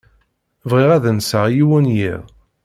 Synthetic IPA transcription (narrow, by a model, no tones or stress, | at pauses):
vʁiʁæðənsəʁjiwənjḭʁ